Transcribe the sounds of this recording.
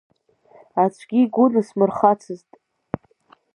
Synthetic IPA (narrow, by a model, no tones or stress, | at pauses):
at͡ʃʷʰɡʲiɡʷʊnɨsmɨrχat͡sʰɨztʼ